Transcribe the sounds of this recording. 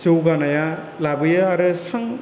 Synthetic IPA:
sɯwɡanaja | labɯjaːɾɯsaŋ

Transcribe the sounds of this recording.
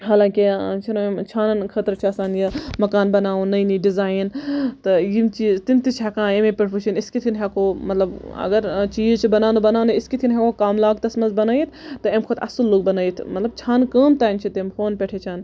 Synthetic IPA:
ɦaːlãːkit͡ʃʰinoemt͡ʃʰaːnɐnkʰɐt̪ɾt͡ʃʰiɐsaːnjɐmɐkaːnbɐnaːunɐjniɖizaːint̪ɨjimt͡ʃiːzt̪imt̪it͡ʃʰekãːemepʲeʈʰut͡ʃʰiniskit̪ʰinɦʲekoːmɐt̪lɐbɐ̰ɡɐɾt͡ʃiːt͡ʃʰibɐnaːnubɐnaːniskit̪ʰinɦekoːkaːmlaːɡt̪ɐsmɐnzbɐnaːit̪ʰt̪ɨemkʰot̪ʰɐ̰sulːuːɡ̚bɐnaːjit̪ʰmɐt̪lɐb̚t͡ʃʰaːnkəːmt̪aːjnt͡ʃʰit̪emfoːnpʲeʈʰet͡ʃʰaːn

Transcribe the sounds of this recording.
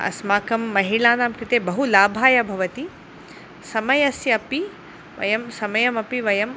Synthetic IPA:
ɐ̰smaːkɐmːɐɦiɭaːnaːmkɾit̪eːbɐɦulaːbʱaːjɐbʱɐʋɐt̪i | sɐmɐjɐsjɐɐpi | ʋɐ̰jɐmsɐmɐjɐmɐpiʋɐjɐm

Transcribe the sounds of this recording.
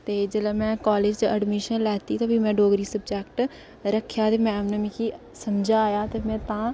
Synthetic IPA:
t̪eːd͡ʒəlaːmɛ̃ːkaːleːd͡ʒt͡ʃəɖmiʃənlɛːt̪iːt̪oːbʱimɛ̃ːɖoːɡɾiːsəbd͡ʒɛːkʈ | ɾəkʰjaːt̪eːmɛ̃ːmnəmiki | səmd͡ʒaːjaːt̪eːmɛ̃ːt̪ãː

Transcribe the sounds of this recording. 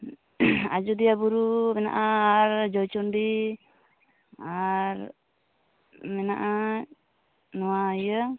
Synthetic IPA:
a̰d͡ʒud̪ijabuɾumɛna̰ʔaːɾd͡ʒɔjt͡ʃɔnɖi | aɾ | mɛna̰ʔa | nɔwaja

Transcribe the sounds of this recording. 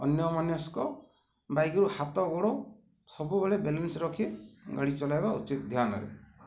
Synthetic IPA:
ɔnjɔmanjɔskɔ | bajɡɔɾuhat̪ɔɡoɽo | sɔbubeɭebelensɾɔkʰiɡaɽit͡ʃɔlajbaut͡ʃit̪d̪ʱjanɔ̰ɾḛ

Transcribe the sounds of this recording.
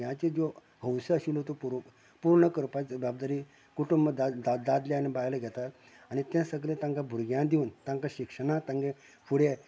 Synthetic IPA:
jãt͡ɕẽd͡zo | həwsəəɕulɦot̪opuɾ | puɾɳəkəɾpat͡sbjabd̪aɾi | kuʈumbəd̪aad̪ad̪ljaanibajləɡʱɛt̪at̪ | añit̪jãsəɡlẽt̪ãŋkãbʱuɾɡjãd̪iunt̪ãŋkaɕikʂənãt̪ãŋɡẽ | fʰuɽea

